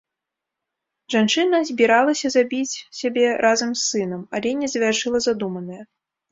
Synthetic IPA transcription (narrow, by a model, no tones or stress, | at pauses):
ʐant͡ʂɨnɐzʲbʲiɾalˠɐsʲɐzabʲit͡sʲsʲabʲɛɾʔazɐmsːɨnɐmalʲɛnʲɛzɐvʲarʂɨlˠɐzad̪umɐnɐjɐ